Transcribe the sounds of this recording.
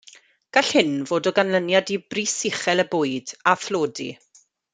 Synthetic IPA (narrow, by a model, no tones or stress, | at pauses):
ɡ̥aɬhɪnvoːdɔɡanlənjadibrisɪχɛlˠəbʊɨdafloːdḭ